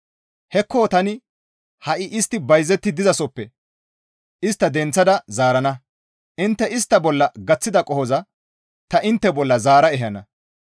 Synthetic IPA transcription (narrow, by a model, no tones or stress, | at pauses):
hɛkːoːt̪ɐnɪ | hɐʔɪʔɪst̪ːɪbɐjzɛt̪ːɪd̪ɪzɐsɔpːɛ | ʔɪst̪ːɐd̪ɛnt͡sːɐd̪ɐzaːɾɐnɐ | ʔɪnt̪ːɛɪst̪ːɐbɔlːɐɡɐt͡sːɪd̪ɐkʼɔhɔzɐ | t̪ɐʔɪnt̪ːɛbɔlːɐzaːɾɐɛɦɐnɐ